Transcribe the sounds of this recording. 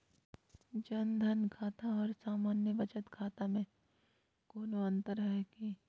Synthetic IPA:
d͡ʒɐnd̪ʱənkʰaːt̪aɔːɾsaːmaːnjəbɐt͡ʃət̪kʰaːt̪amẽ | koːloɐ̃nt̪əɾɐɦkiː

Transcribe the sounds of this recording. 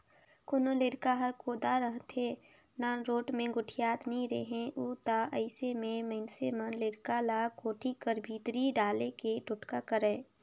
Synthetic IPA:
kʊnoleɽkaɦəɾkoːd̪aɾəɦt̪ʰe | naɾoːʈmẽɡʊʈʰijaːt̪nɐĩɾeɦẽʔuːt̪aʔəɪsemẽməɪnsemənleɽkalakoːʈʰikəɾbʱiːt̪ɾiɖaːlekeʈʊʈkakəɾẽː

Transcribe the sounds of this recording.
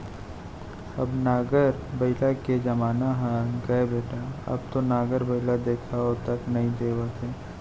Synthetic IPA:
ɐbnaːɡəɾ | bɐɪlaked͡ʒɐmaːnaɦɛ̃ɡɐebeːʈaɐ̰b̚t̪onaːɡəɾbɐɪlad̪eːkʰaot̪ɐknɐɦĩd̪eːwət̪ʰeː

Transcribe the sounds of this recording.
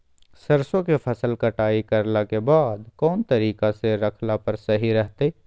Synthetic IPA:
sɐɾsõkepʰɐsəlkɐʈaːikɐɾlakebaːd̪kɔːnt̪ɐɾiːkaseɾɐkʰlapɐɾsɐɦiɾɛɦt̪eː

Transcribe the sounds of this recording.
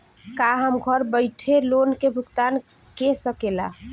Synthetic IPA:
kaɦəmɡʱəɾbəɪʈʰelonkebʱʊɡt̪an | kesəkela̰

